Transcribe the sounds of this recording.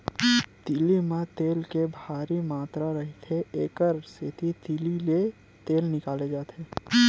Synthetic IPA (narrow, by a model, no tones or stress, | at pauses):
t̪ilimẽt̪eːlkebʱaːɾimaːt̪ɾaɾɐɦit̪ʰeeːkəɾset̪it̪ilile | t̪eːlnɪkaːled͡ʒaːt̪eː